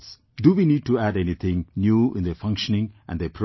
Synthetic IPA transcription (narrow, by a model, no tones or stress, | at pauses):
s | ɖuʋiniːɖ̚ʈuæɾɛnit̪ʰɪ̃ŋnjuːɪ̃nd̪əfʌ̃ŋkʃənɪ̃ŋʔæ̰̃nd̪epʰɾo